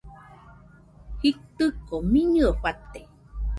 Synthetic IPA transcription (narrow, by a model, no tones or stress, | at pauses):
hit̪ɨkomiɲɨoɸat̪e